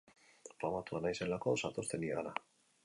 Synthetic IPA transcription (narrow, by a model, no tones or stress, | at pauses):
ramat̪uanajsenlakosat̪ost̪enia̰la